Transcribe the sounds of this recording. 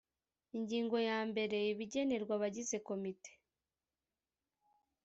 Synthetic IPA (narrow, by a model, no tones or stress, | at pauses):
iɲɟiːŋɡo̞jaːmbe̞ɾe̞iβiɟe̞ne̞ɾɡwaβaɟize̞ko̞mite̥